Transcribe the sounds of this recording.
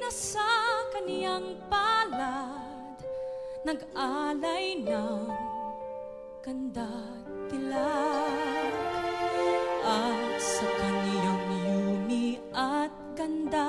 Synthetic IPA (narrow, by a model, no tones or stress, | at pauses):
nɐsakɐnjaŋpala | d̪ | nɐɡʔalɐjna | ɡ̥ɐnd̪a | t̪ɪla | ʔɐt̪sɐkɐnijaŋmjuniʔɐt̪̚ɡɐnd̪a